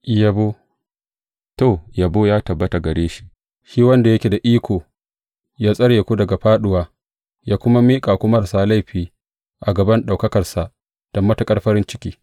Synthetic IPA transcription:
ʔjɐ˨bo˦ | to˨jɐ˨boː˦jaː˦tɐ˨bːɐ˦ta˨ɡɐ˨ɽeː˦ʃi̥˦ʔ | ʃiː˦wɐ˦nda˨jɐ˦kʲe˨da˨ʔiː˦kʷʰoː˨ | jaː˦sʼɐ˦ɽje˨kʷu˦dɐ˨ɡa˨ɸaː˦ɗʊ˦waː˦ | jaː˦kʷʊ˦ma˦miː˦kʼa˨kʷʊ˦mɐ˦rsaː˦la˦˨jɸiː˦ | ʔa˨ɡɐ˨bɐ˦nɗa˨kɐ˦kɐ˨rsa˨ʔ | d̥ɐ˨mːɐ˦ta˨kʼɐ˦ɽɸɐ˦ɾɪ˦nt͡ʃɪ˦kʲiː˦

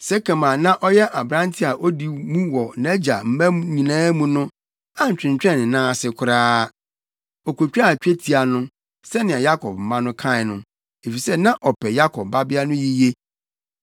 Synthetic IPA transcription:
sɛ˦kʰã˨mã˨nã˦ʔɔ˦jɛ˦ʔa˨bɾã˦n˦tʰɪ˦a˨ʔo˦di˨mũ˦wɔ˨nɛ˦d͡ʑa˨m̩˦mæ̃˦m˦ɲĩ˨nãː˦mũ˨nʊ̃˦ | a˨ɲ̩˨t͡ɕᶣɪ̃˨ɲ˨t͡ɕᶣɛ̃˦˨nɪ̃˨nãː˦a˨sɪ˨kʷʰʊ˨ɾaː˦ | ɔ˨ko˨t͡ɕᶣa˦˨t͡ɕᶣe˦tʰi˨a˨nʊ̃˦ | sɛ˦nɪ̃˨a˨ja˦kʰɔ˨p̚m̩˨mã˦nʊ̃˦kʰã˦ɪ˨nʊ̃˨ | e˨fi˨sɛ˦nã˦ʔɔ˨pʰɛ˨ja˦kʰɔ˨b̚ba˦bɪ˦a˦nʊ̃˦ji˦je˦

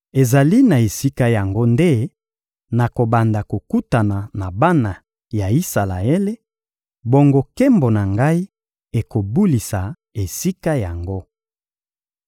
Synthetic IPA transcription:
e˨za˨li˦na˨e˨si˦ka˦ja˨ŋɡo˦nde˦ | na˨ko˨ba˨nda˨ko˨ku˦ta˨na˨na˨ba˦na˨ | ja˨i˦sa˨la̰˨e˦le˦ | bo˦ŋɡo˦ke˦mbo˨na˨ŋɡa˦i˦ | e˨ko˨bu˦li˨sa˨ | e˨si˦ka˦ja˨ŋɡo˦

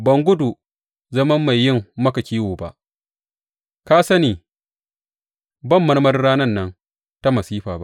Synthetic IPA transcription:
bɐ˨ŋɡʷʊ˦du˨ | zɐ˦mɐ˦mːa˨jːɪ˦˨mːɐ˦kɐ˨kʲiː˦woː˨ba̰˦ʔ | kaː˦sɐ˦niː˨ | bɐ˦˨mːɐ˦rmɐ˦rɽaː˦nɐ˦nːɐ˦ŋ | ta˦mɐ˨siː˦ɸaː˨ba̰˦ʔ

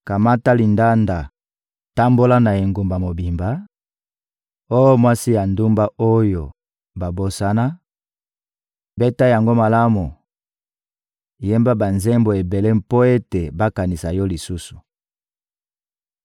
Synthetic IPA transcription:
ka˨ma˦ta˦li˨nda˦nda˨ | ta˦mbo˦la˦na˨e˨ŋɡu˨mba˨mo˨bi˨mba˨˦ | o˦jo˦mwa˦si˦ja˨ndu˦mba˦o˦jo˨ | ba˨bo˨sa˦na˦ | bɛ˦ta˦ja˨ŋɡo˦ma˨la˦mu˨ | je˦mba˦ba˨nzɛ˦mbo˨e˨be˨le˦mpo˦e˦te˨ba˦ka˨ni˨sa˨jɔ˦li˨su˦su̥˨

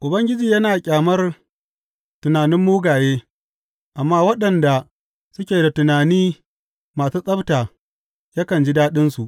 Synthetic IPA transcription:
ʔʊ˨bɐ˦ŋɡʲɪ˦d͡ʒiː˨jɐ˦naː˨kʲʼaː˨mɐ˦r | tʊ˨naː˨nɪ˦mːuː˦ɡaː˨jeː˦ | ʔa˨mːaː˦wɐ˦ɗɐ˨nda˨ | sʊ˦kʲeː˨da˨tʊ˨naː˨niː˦ | maː˨suː˦sʼɐ˦btaː˨ | ja˦kɐ˨nd͡ʒi˦daː˦ɗɪ˦nsu˨ʔ

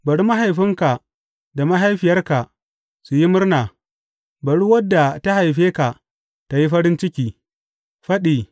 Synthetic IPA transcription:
bɐ˨ɽu˦ma˦ɦa˨jɸɪ˦ŋka˨ | da˨ma˦ɦa˦jɸɪ˨jɐ˦rka˨ | su˨ji˦mʊ˦rnaː˨ | bɐ˨ɽu˦wɐ˦dːa˨ta˦ha˨jɸeː˦ka˨ | ta˨ji˦ɸɐ˦ɾɪ˦nt͡ʃɪ˦kʲiː˨ | ɸɐ˦ɗiː˨

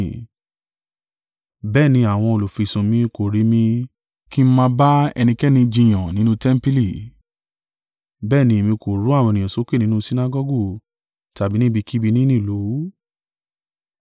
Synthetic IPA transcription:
bɛː˦˨nĩ˧a˨w̃ɔ̃˧o˧˨lo˨fi˨sũ˨mĩ˧ko˨ɾi˨˦mĩ˧ | ki˦mã˧ba˦ɛ̰˧nĩ˧kɛ˦nĩ˧d͡ʒĩ˧˨j̃ã˨nĩ˨˦nũ˦tɛ˦m̩˦pi˦li˦˨ | bɛː˦˨nĩ˧i˨mĩ˧ko˨ɾu˨˦a˦˨w̃ɔ̃˧nĩ˨ɔ̃˨so˨˦ke˦˨ĩ˦nũ˦si˦na˦ɡɔ˦ɡo˦˨ | ta˨bi˦nĩ˦bi˧ki˦bi˧nĩ˦nĩ˦˨lo˨˦wu˨˦

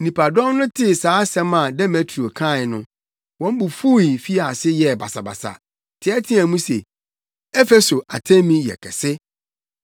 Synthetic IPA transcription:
nĩ˨pʰa˨dɔ̃˦mnʊ̃˦tʰɪ˦saː˨˦sɛ̃˦mã˨dɛ˦mɛ˨tʰɾi˨o˨kʰã˦˨ɪ˨nʊ̃˦ | wɔ̃˦m˦bu˨fu˦i˨fi˦a˨sɪ˦jɛ˨ba˨sa˨ba̰˨sa̰˨ | tʰɪ˨˦ɛ˦tʰĩ˦æ̃˨mũ˦sḛ˨ | ɛ˦fe˦so˨ʔa̰˨tʰɛ̃˦mĩ˨jɛ̰˨kʰɛ̰˨sɪ˦

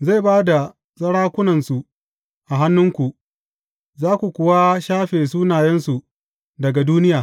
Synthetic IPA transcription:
za˦˨baː˦da˨ | zʼɐ˦ɽaː˦kʷʊ˦nɐ˨nsu˨ | ʔa˨ɦa˦nːʊ˦ŋkʷu˨ʔ | zaː˦kʷu˨kʷʊ˨wa˦ʃaː˦ɸeː˨s̬uː˦naː˨jɛ˦nsu˨ | dɐ˨ɡa˨duː˦nɪ˦jaː˨

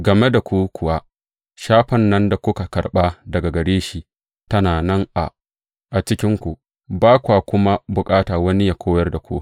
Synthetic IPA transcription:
ɡɐ˨me˦da˨kʷu˦kʷʊ˨wa˦ | ʃaː˦ɸɐ˨nːɐ˦nda˨kʷʊ˦ka˨kɐ˨rɓa˦dɐ˨ɡa˨ɡɐ˨ɽeː˦ʃi˦ | tɐ˦naː˨nɐ˦ŋʔa̰˨ | ʔa˨t͡ʃɪ˦kʲɪ˦ŋkʷu˨ | baː˦kʷaː˨kʷʊ˦ma˦bʊ˨kʼaː˦taː˨wɐ˦ni˦jaː˨kʷoː˦jɐ˦rda˨kʷoː˦

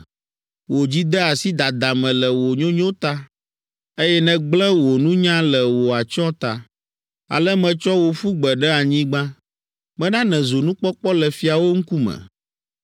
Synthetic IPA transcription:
wo˨d͡ʑi˦d̪ɛ˦a˨si˦d̪a˨d̪a˨mɛ̃˨lɛ˨wo˨ɲõ˦ɲõ˦t̪a˦ | e˦jɛ˦nɛ̃˨ɡ͡blɛ̃˦wo˨nũ˦ɲã˦lɛ˨wo˨a˨t͡ʃɔ˦t̪a̰˨ | a̰˨lɛ˦mɛ̃˨t͡ʃɔ˦wo˨fu˦ɡ͡bɛ˨ɖɛ˦a˨ɲĩ˦ɡ͡bã˦ | mɛ̃˦nã˦nɛ̃˨zo˨nũ˦k͡pɔ˦k͡pɔ˦lɛ˨fi˨a˨wo˦ŋ̩˦ku˦mɛ̰̃˨

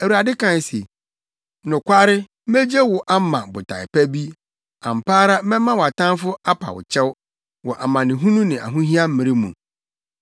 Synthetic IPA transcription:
æ˨wu˨ɾa˨dɪ˦kʰã˨n˨se˨ | nʊ̃˨kʷʰa˦ɾɪ˦ | me˦d͡ʑe˦wʊ˨ʔa˦mã˨bʊ˨tʰa̰˨ɪ̰˨pæ˦bi˦ | ã̰˨m̩˨paː˦ɾa˦mɛ̃˦mã˦wɔ˨a˨tã˦fʊ˦a˦pʰa̰˨wʊ̰˨t͡ɕʰɛ˦w | wɔ˨ʔa˨mã˨nɪ̃˨ɦũ˦nũ˦nɪ̃˨ʔa̰˨ɦũ˦ɦi˦a˦m̩˦mɪ̃˨ɾɪ˦mṵ̃˨

